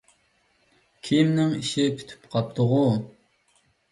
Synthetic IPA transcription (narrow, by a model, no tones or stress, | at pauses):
kʲʰimnɪŋiʃɪkʲʰy̥t̪ʰy̥pqʰɑp̚t̪ʰʊʁʊ